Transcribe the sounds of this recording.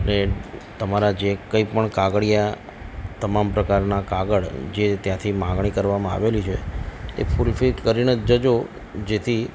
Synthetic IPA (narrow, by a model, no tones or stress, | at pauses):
ənet̪əmaɾad͡ʒekəipəɳkaɡɭija | t̪əmampɾəkaɾnakaɡəɭd͡ʒet̪jãt̪ʰimãɡɳ̃ikəɾʋamãa̰ʋelit͡ʃʰeḛpʰulfikəɾinəd͡ʒəd͡ʒo | d͡ʒet̪ʰi